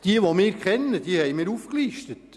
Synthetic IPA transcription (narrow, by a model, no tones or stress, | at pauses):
d̥iəʋomɪːɾkχɛnːəd̥̪iəhɛjmɪːɾufkliːʃtət